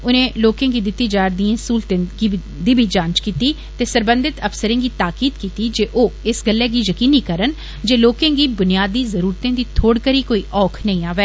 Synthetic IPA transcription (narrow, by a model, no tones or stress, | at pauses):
ʊnẽːloːkẽːɡiːd̪ɪt̪ːiːd͡ʒaːɾd̪iẽːsuːlt̪ẽɡi | d̪iːbʱid͡ʒãːnt͡ʃkiːt̪iː | t̪eːsəɾbə̃nd̪ɪt̪əfsəɾẽːɡiːt̪aːkiːd̪kiːt̪iːd͡ʒeːʔoːɪsɡəlːɛːɡiːjəkiːniːkəɾən | d͡ʒeːloːkẽːɡiːbʊnjaːd̪iːzəɾuːɾt̪ẽːd̪iːt̪ʰoːɽkəɾiːkoːiːʔɔːkʰnəĩːaːʋɛː